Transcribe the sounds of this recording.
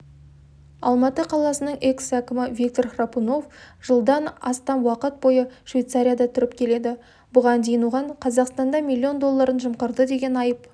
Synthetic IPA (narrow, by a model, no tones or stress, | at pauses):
ɑ̰lˠmɑt̪əqʰɑlˠɑsənəɴe̞ksækʲɪmɪvʲik̚t̪orχrapuno̞fʒ̥əlˠd̪ɑnɑst̪ɑnwɑqət̪̚bo̞jəʃvʲejt̪saɾʲijad̪ɑt̪ʰʏɾɪpkʲʰe̞le̞d̪ɪ | bʊʁɑnd̪ejɪnuʁɑɴqʰɑzɑqst̪ɑnd̪ɑmʲilʲːio̞nd̪o̞lˠːɑɾənʒəmqəɾd̪əd̪e̞ɡʲe̞nɑjəp̚